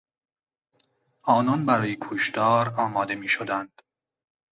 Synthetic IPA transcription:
ɒːnɒnbæɾɒːjekʰoʃt̪ɒːɾɒːmɒːd̪e̞miːʃod̪ænd̪̥

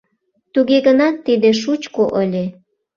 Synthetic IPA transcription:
t̪uɣeɣənɑt̪ːid̪eʃ̬ut͡ɕkoʔəlʲe

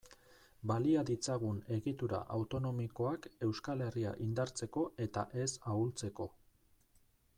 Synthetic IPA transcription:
baliaðit͡saɣ̞une̞ɣit̪uɾa̰ʔawt̪o̞no̞miko̞ake̞wskale̞ria̰ʔind̪aɾt͡se̞ko̞e̞t̪a̰ʔe̞sault͡se̞ko̞

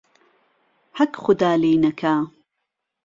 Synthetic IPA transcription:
hɐkxʊd̪aːliːnɐkʰaː

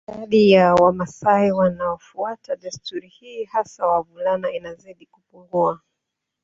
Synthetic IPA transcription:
aɗijawamasaiwanaɔfuataɗastuɾihiːhasawavulanainaziɗikupuŋɡua

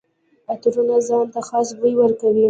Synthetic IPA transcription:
at̪ɾunazɑnt̪axɑsbujwəɾkawi

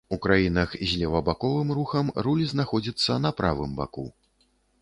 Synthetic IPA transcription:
ukɾajinɐxzʲlʲɛvɐbakɔvɨmruxɐmrulʲznaxɔd͡zʲit̪sːɐn̪ɐpɾavɨmba̰kṵ

